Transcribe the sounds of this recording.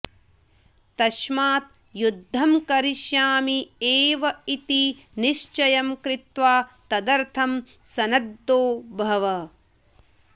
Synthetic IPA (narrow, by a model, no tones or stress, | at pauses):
t̪ɐʃmaːt̪̚ | jud̪ʱːɐmkɐɾiʃjaːmieːʋɐit̪i | niʃt͡ʃɐjɐmkɾɪt̪ʋaːt̪ɐd̪ɐɾt̪ʰɐm | sɐnɐd̪ːoːbʱɐʋɐ